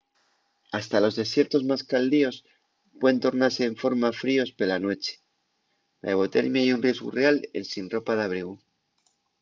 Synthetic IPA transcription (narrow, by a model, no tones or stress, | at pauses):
ast̪alo̞zðe̞sje̞ɾt̪o̞zmaskald̪io̞s | pweðent̪o̞ɾnaɾse̞ːɱfo̞ɾmafɾio̞spe̞lanwe̞t͡ʃe̥ | la̰eɣo̞t̪e̞̰ɾmjaiunrje̞zɣṵrealḛnsinro̞paðaβ̞ɾiɣ̞u